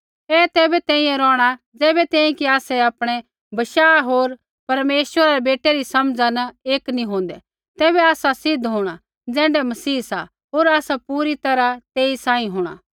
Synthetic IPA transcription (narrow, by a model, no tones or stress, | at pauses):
ɛːt̪ɛːbɛt̪ɛ̃ːĩjɛ̃ɾɔːɽ̃a | d͡zɛːbɛt̪ɛ̃ːĩkiaːsɛaːpɽ̃ɛ | bɐʃaːɦoːɾ | pɐɾmeːswəɾaɾebeːʈeɾisɐmd͡zanɐeːknĩɦõːnd̪ɛ | t̪ɛːβɛaːsasɪd̪ʱɦoːɽ̃a | d͡zɛ̃ːɳɖɛmɐsiːsa̰ | ɦoːɾaːsapuːɾit̪ɐɾat̪eːisãːĩɦoːɽ̃a̰ː